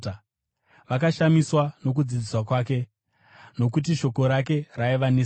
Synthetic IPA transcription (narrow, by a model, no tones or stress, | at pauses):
ʋakaʃamiswano̞k̬ud͡zid͡ziswakwaːke̞ | no̞k̬ut̬iʃo̞ko̞ɾak̬e̞raiʋani